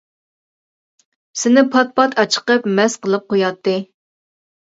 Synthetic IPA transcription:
sɪnɪpʰɑt̪̚pʰɑt̪ʰɑt͡ʃʰə̥qəpmɛsqəlˠɨp̚qʰojɑt̪ʰːɨ

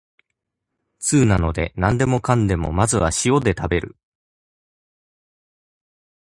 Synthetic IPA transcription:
t͡sɨːnano̞d̪e̞nãnd̪e̞mo̞kãnd̪e̞mo̞̰mazɨβa̰ɕio̞d̪e̞t̪abe̞ɾɯ̟̰

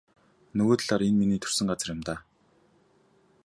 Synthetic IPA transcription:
nɵɣoːt̪̆ɮaːɾenminiːt̪ʰɵ̥r̥sɘ̆ŋɢat͡sə̆rjʊ̆mt̪aː

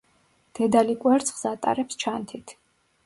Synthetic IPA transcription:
d̪̥ɛd̪alikʼwɛɾt̪sʰχsat̪ʼa̰ɾɛpst͡ʃʰant̪ʰit̪ʰ

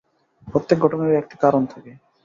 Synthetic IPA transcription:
pɾot̪ːek̚ɡʱɔʈoneɾɛk̚ʈi̥kaɾont̪ʰake

